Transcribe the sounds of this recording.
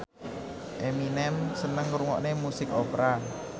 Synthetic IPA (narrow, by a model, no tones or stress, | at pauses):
ʔeminɛmsənəŋɾuŋɔ̰ʔnemusɪkopɾa